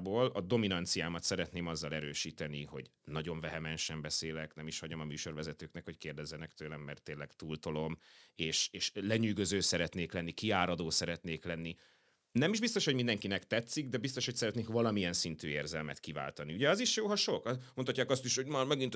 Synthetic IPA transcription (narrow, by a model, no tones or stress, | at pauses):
boːlɒd̪o̞minɒnt̪sijaːmɒt̪sɛɾɛt̪neːmɒzːɒlɛɾøːʃiːt̪ɛniho̞̰ɟnɒɟo̞ɱvɛɦɛmɛnʃɛmbɛseːlɛknɛmiʃhɒɟomɒmyːʃo̞rvɛzɛt̪øːknɛkho̞ckeːrd̪ɛzːɛnɛkt̪øːlɛmːɛrt̪ːeːnlːɛkt̪uːlt̪olo̞meːʃeːʃlɛɲyːɡøzøːsɛɾɛt̪neːklɛnːikiaːɾɒd̪oːsɛɾɛt̪neːklɛnːi | nɛmiʒbist̪o̞ʃho̞ɟmind̪ɛŋkinɛkt̪ɛt̪sːiɡd̪ɛbist̪o̞ʃho̞csɛɾɛt̪neːkvɒlɒmiɛnsint̪yːeːrzɛlmɛ̰t̪kiva̰ːlt̪ɒniuɟɛɒziʃjoːɦɒʃo̞kmnt̪ʰɒcːaːkɒst̪iʃhoɟmarmɛɡint̪